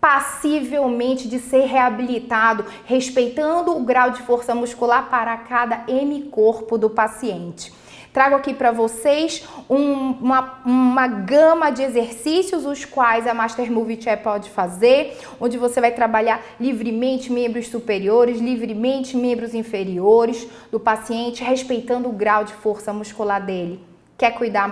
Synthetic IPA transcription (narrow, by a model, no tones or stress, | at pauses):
pasivewmẽnt͡ʃɪd͡ʒɪseɾɦeabilit̪ad̪ʊ | hespejt̪ɐ̃nd̪ʊːɡɾawd͡ʒɪfoɾsɐmuskulaɾpaɾɐkad̪ɐemikoɾpʊd̪ʊpasiẽnt͡ʃɪ̥ | t̪ɾaɡʊakipɾɐvosejsũmɐũmɐɡɐ̃mɐd͡ʒɪezeɾsisjʊzʊskwajzɐmaʃt̪eɾmuvit͡ʃɛpɔd͡ʒɪfazeɾ | õd͡ʒɪvosevajt̪ɾabaʎaɾ | livɾɪmẽnt͡ʃɪmẽmbɾʊssupeɾioɾɪzlivɾɪmẽnt͡ʃɪmẽmbɾʊzĩfeɾioɾɪz | d̪ʊpasiẽnt͡ʃɪhespejt̪ɐ̃nd̪ʊːɡɾawd͡ʒɪfoɾsɐmuʃkulaɾd̪elɪ | kɛkujd̪a